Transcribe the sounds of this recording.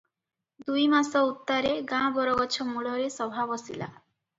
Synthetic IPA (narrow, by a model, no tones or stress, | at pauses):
d̪ujmasɔut̪ːaɾeɡãbɔɾɔɡɔt͡ʃʰɔmuɭɔɾesɔbʱabɔsila̰